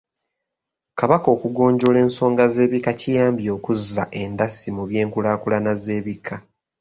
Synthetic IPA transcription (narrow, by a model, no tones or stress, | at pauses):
kaβako̞ːkuɡo̞ːɲɟo̞le̞ːnso̞ːŋɡaze̞ːβikacijaːmbjo̞ːkuza̰ʔe̞ndasimuβje̞ːŋkulaːkulanaze̞ːβikʰːa